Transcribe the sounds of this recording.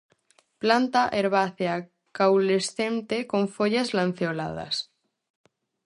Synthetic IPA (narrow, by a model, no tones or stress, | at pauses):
plant̪aʔeɾβaθea | kawlesθe̞nt̪eko̞ɱfoʎazlan̟θjola̰ð̞a̰s